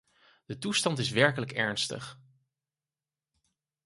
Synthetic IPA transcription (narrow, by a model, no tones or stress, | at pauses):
d̥ətustɑntɪsʋɛɹkələkɛɹnstə̰χ